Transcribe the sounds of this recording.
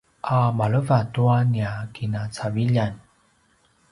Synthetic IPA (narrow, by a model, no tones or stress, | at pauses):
ʔamaɭəvatuaniakinat͡saviʎan